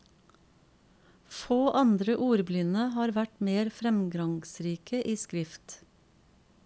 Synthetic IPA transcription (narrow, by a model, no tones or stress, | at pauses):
foːʔɑnd̪ɾəʔuːɾblʏnəhɑːɾʋæʈmeːɾfɾɛmɡɑŋsɾiːkʰəʔiːskɾɪft̪